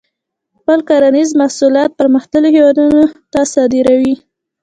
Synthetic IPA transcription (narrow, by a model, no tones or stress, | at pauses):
xpəlkaɾanizmasulɑt̪̚pəɾməxt̪əlohewɑd̪unot̪asɑd̪ɪɾawi